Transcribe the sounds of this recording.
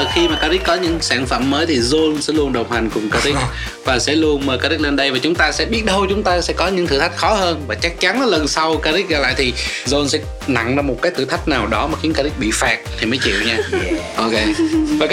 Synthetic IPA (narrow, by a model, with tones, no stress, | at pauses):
xi˧maː˨˩ka˧ɾi˦˥t̚kɔ˨˦ɲɨ̰˧˥ŋsaː˧˩ŋfə̰˧˨mːəː˨˦jt̪ʰi˨˩zo˧nsɛ̰˧˥lu˧ənɗə˨˩wŋ͡mha˨˩ŋ̟kʊ˨˩ŋ͡mkaː˧ɾi˦˥ | vaː˨˩sɛ̰˧˥lu˧ənməː˨˩kaː˧ɾi˦˥k̚le˧nɗə˧jvaː˨˩t͡ɕʊ˨˦ŋ͡mt̪aː˧sɛ̰˧˥ɓi˦˥ət̚ɗə˧wt͡ɕʊ˨˦ŋ͡mt̪aː˧sɛ̰˧˥kɔ˨˦ɲɨ̰˧˥ŋt̪ʰɨ˧˩t̪ʰa˦˥jk̚xɔ˨˦həː˧nvaː˨˩t͡ɕa˦˥k̚t͡ɕa˨˦na˨˦lə˨˩nsa˧wkaː˧zi˦˥t̚ɣaː˧˩la̰ː˧˨jt̪ʰi˨˩ | zo˧nsɛ̰˧˥ | na̰˧˨ŋzaː˧m˨˩t̚kaː˨˦jt̪ʰɨ̰˧˩t̪ʰa˦˥k̟̚naː˨˩wɗɔ˨˦maː˨˩xi˨˦nkaː˧zi˦˥t̚ɓḭ˧˨faː˨˩t̚t̪ʰi˨˩məː˨˦jt͡ɕḭ˧˨əwɲaː˧ʔo˧ke˧vaː˨˩